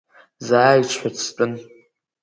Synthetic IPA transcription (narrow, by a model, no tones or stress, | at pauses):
zaːjt͡ʃʷʰʼħʷᶣatʰtʼɨn